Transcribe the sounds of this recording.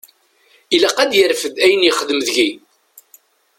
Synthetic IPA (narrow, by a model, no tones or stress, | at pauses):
ilæqæd̪jəɾfəd̪æjənjəχəðəmðʝi